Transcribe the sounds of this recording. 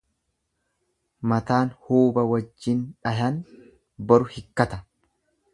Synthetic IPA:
mɐt̪aːnhuːbɐwɐd͡ʒːɪnᶑɐɦɐn | bɐɾʊhɪkːɐt̪ɐ

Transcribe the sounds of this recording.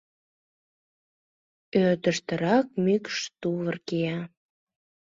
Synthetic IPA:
øt̪əʃt̪əɾɑk̚mykʃt̪uβərkejɑ

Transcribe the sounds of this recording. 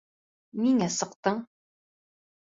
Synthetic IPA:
miŋæsɤ̆qt̪ɤɴ

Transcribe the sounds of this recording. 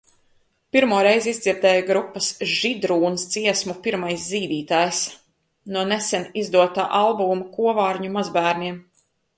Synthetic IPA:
piɾmuɔɾɛjzizd̪zʲiɾd̪ɛːjaɡɾupːɐsʒ̥id̪ɾuːnst̪siɛsmupiɾmajsziːd̪iːt̪aːjs | nuɔnesɛnizd̪uɔt̪a̰ːʔalˠbuːmkuɔvaːɾɲumazbæːɾnʲiɛm

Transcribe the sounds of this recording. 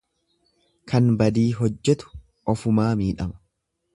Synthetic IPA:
kʰɐnbɐd̪iːɦɔd͡ʒːɛt̪ʊ̥ | ɔfʊmaːmiːᶑɐmɐ̥

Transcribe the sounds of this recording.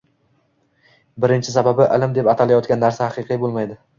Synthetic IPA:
bɪɾɪnt͡ʃʰɪsababɪʔɪlɪmd̪epat̪ʰalajɒt̪̚kʲanːaɾsahaqɨqʰijbolˠmajd̪ɪ

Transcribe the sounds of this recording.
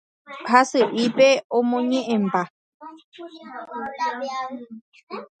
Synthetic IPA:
hasɨʔipeõmõɲẽʔẽmba

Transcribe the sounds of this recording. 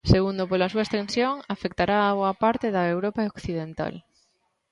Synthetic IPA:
seɣund̪opolasuaest̪ẽnsjoŋafek̚t̪aɾaːβoapaɾt̪eðaewɾopaokθið̞ent̪a̰l

